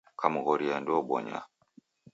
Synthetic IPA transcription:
kʰamuɣɔɾiandɔɓɔ̰ɲa̰

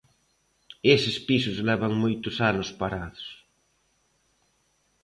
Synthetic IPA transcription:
esɪspisʊzlɛβaŋmojt̪ʊsanʊspaɾaðʊs

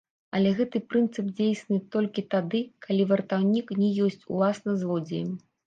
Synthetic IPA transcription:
ɐlʲɛɣɛt̪ɨpɾɨnt̪sɨp̚d͡zʲejsʲnɨt̪ɔlʲkʲit̪ad̪ɨkʰalʲivɐrt̪awnʲiknʲɛjɔsʲt͡sʲṵlˠasnɐzlˠɔd͡zʲijmʲ

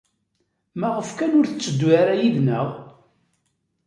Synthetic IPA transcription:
mæʁəfkænʊɾθət͡sːəd̪ːwaɾæjiðnəʁ

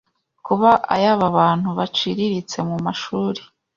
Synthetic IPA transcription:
kuβaʔa̰jaβaβaːn̥huβat͡ʃiɾiɾit͡se̞mumaʃuːɾi̥

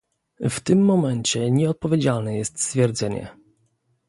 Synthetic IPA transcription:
ft̪ɘmːɔmɛɲt͡ɕɛɲɛɔt̪̚pɔvʲjed͡ʑalnɛjɛst̪st̪fʲjɛɾd̪zɛɲɛ̰

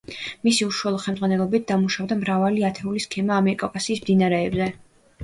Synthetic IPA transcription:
misiuʃualˠɔχɛlmd̪zʁanɛlˠɔbit̪̚d̪amuʃavd̪amɾavaliat̪ʰɛuliskʰɛmaːmɛɾikʼɔkʼasiːsmd̪inaɾɛːbzɛ

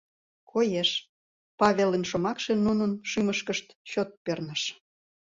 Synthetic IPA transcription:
kʰojeʃ | pɑβʲelənʃomɑkʃenunənʃyməʃkəʃt̪ɕot̪̚pørnəʃ

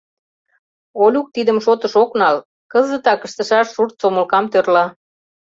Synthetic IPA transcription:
olʲuk̚t̪id̪ə̆mʃot̪ə̆ʃoknɑl | kəzə̆t̪ɑkə̆ʃt̪ə̆ʃɑʃːurt̪̚t͡somə̆lkɑmt̪ørlɑ

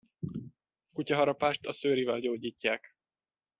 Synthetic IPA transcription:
kucɒɦɒɾɒpaːʃt̪ɒsøːɾivɛlɟoːɟiːcːaːk

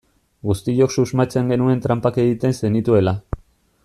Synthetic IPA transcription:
ɡust̪iʎo̞ksuzmat͡se̞ŋɡe̞nue̞nt̪ɾampake̞ɣit̪e̞nse̞nit̪ue̞la

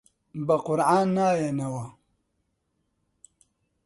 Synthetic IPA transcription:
baqʊɾanːajanawa

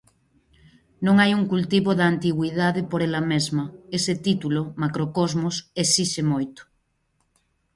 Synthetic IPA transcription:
nõŋajuŋkult̪iβoðant̪iɣwið̞aðepoɾelamezmɐeset̪it̪ulomakɾokozmosesiʃemojt̪o̥

